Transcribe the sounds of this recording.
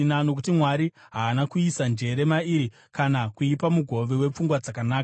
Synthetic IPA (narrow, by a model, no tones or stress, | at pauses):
nano̞k̬utimwaɾi | ɦaːnakuisand͡ʒe̞ɾe̞maiɾi | kanakuipamuɡʱo̞ʋe̞we̞p͡fuŋɡwad͡zakanaːka